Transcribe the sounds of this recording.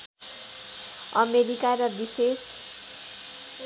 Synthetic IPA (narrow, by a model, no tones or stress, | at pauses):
ʌmeɾikaɾʌbises